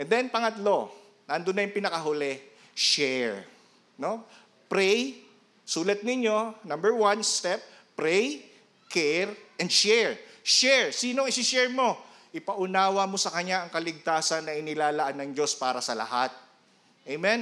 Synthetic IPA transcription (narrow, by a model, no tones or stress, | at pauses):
ʔʔɛnd̪ɛnpɐŋɐt̪lo̞ | nɐnd̪onːɐjʊŋpɪnɐkɐɦʊlɛ | ʃɛɹ | no̞ | pɾɛj | suːlɐt̪̚nɪɲːo̞nɐmbɛɹwanst̪ɛp̚ː | ɾɛj | kʰɛɹʔɛnd̪ʃɛɹʃɛɹsiːnoɐŋɪsɪʃɛɹmo̞ | ʔɪpɐʔʊnaːwɐmo̞sɐkɐɲːaɐŋkɐlɪɡ̚t̪aːsɐnːɐʔɪnɪlaːlɐʔanːɐŋd͡ʒo̞spaːɾɐsɐlɐ̰ha̰t̪̚ | ʔejmɛn